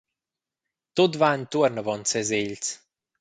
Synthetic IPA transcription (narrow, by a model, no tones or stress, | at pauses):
t̪ot̪vaənt̪uəɾnəvɔnt͡sɛzeʎt͡s